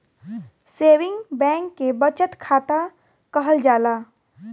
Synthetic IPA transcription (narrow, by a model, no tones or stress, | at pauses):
seːwɪ̃ŋɡbɛ̃ːŋkːebət͡ʃət̪kʰaːt̪a | kəɦəld͡ʒaːlaː